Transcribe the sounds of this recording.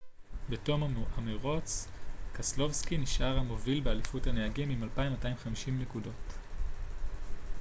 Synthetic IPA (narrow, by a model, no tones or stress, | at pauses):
beto̞maameʁo̞t͡skaslo̞vskiniʃʔaʁhamo̞vilbealifuthaneaɡimimalpaimːataimχamiʃimne̞kudo̞t